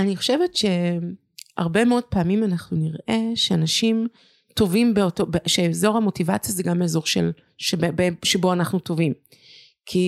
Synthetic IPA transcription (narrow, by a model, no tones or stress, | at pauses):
aniχo̞ʃe̞vetʃe̞ | ha̰ʁbe̞meo̞d̚paːmimanaχnuniʁʔe̞ʃeanaʃim | to̞vimbeotobeʃeezo̞ʁhamo̞tivat͡sjazeɡameːzo̞ʁʃḛl | ʃebebeʃebo̞anaχnuto̞vim | kʰi